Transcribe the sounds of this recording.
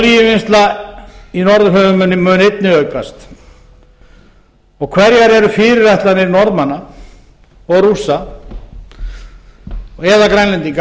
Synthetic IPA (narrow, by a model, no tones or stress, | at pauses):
ljɪvɪnst̪la | inɔɾðʏɦœːðʏmœnːɪmœnejt̪̚nɪœɥkast̪ | ɔɣkʰvɛɾjaɾɛɾʏfɪɾɪrajht̪laniɾnɔɾðmanːa | ɔɣrusa | ɣɛðakɾajnlɛnt̪iŋka